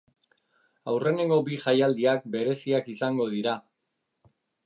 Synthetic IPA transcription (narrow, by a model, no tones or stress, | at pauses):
awre̞ne̞ŋɡo̞biʝajald̪iak̚be̞ɾe̞siakisaŋɡo̞ð̞iɾa